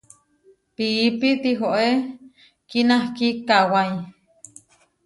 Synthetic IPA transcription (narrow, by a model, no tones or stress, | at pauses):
piʔːpit̪iɦoʔe | kinahkikawaj